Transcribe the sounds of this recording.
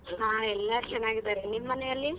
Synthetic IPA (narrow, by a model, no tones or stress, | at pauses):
ɦãːɛlːɐt͡ʃɛnːaːɡid̪aːɾenimːɐnejɐlːi